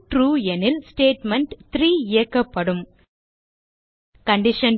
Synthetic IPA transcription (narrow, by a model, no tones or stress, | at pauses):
ʈɾuːɛnɪlsʈeːʈmɛɳʈt̪ɾiːɪjɐkːɐpːɐɽɯm | kɐɳɖɪʂɐn